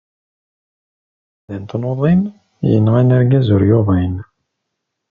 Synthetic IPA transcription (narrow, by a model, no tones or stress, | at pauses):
ðænt̪noðˤim | jə̰nːʁænæɾɡæzʊɾjoðæjn